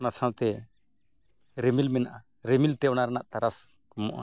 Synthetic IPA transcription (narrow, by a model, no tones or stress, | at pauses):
nasawt̪ɛ | ɾmilmɛnaʔa | ɾemilt̪ɛɔnaɾɛnaʔt̪aɾaskɔmɔ̰ʔa̰